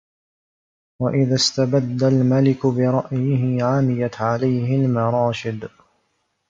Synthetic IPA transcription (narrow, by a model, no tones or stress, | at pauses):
waʔɪðast̪abad̪ːalmalɪkʊbɪɾˤɑʔjɪɦɪʕamɪjat̪ʕalajɦɪlmɑɾˤɑːʃɪd̪